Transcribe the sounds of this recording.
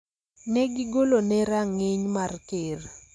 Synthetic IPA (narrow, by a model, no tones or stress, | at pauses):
nɛɡɪɡolonɛɾaŋɪɲmarkɪr